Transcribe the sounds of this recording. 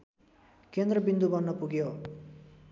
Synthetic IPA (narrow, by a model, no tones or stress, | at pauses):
kend̪rʌbind̪ubʌnːʌpuɡjo